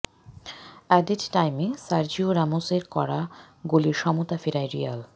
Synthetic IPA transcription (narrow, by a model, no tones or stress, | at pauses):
ɛd̪iʈʈajmesaɾd͡ʑioɾamoseɾkɔɾa | ɡoliɾʃɔmot̪afeɾajɾia̰l